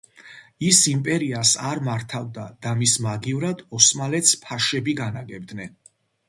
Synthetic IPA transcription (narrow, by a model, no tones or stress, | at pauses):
isimpʼɛɾiasaɾmaɾt̪ʰavd̪ad̪̥amismaɡivɾad̪ɔsmalɛt̪spʰaʃɛbiɡanaɡɛb̚d̪nɛn